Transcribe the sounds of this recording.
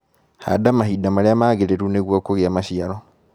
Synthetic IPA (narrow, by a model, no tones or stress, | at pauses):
ha̰damaɦidamaɾeamaːɣeɾeɾuneɣwakoɣeamaʃiaɾɔ